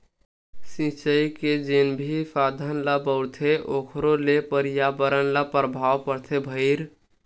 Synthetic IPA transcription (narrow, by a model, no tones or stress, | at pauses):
sĩt͡ʃəjked͡ʒenbʱisad̪ʱənlabəʊɾt̪ʰeʔokʰɾolepəɾijabəɾənlapəɾbʱawpəɾt̪ʰebʱəɪɾ